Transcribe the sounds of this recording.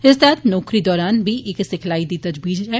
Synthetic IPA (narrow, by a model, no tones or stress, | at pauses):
ɪst̪ɛːt̪nɔːkɾid̪ɔːɾaːnbʱiʔeːksɪkʰlaːid̪it̪ɐd͡ʒbiːd͡ʒɦɛː